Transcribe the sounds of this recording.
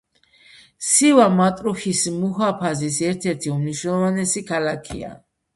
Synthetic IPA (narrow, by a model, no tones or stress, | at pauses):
sivamat̪ʼɾuχismuɦapʰazisɛɾt̪ʰɛɾt̪ʰiumniʃwnɛlˠɔvanɛsikʰalakʰḭa̰